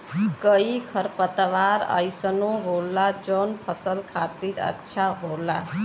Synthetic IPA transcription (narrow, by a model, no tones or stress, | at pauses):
kəikʰəɾpət̪ʋaɾə̰jsənoɦolːad͡ʒɔnpʰəsəlkʰat̪iːɾə̰tːʃʰaɦola